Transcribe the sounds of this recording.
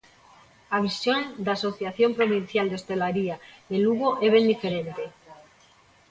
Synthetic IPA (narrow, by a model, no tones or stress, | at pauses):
aβ̞isjond̪aso̞θjaθjo̞mpɾo̞β̞inθjald̪eo̞st̪e̞laɾiaeluɣoʔeβ̞e̞nd̪ife̞ɾent̪e̞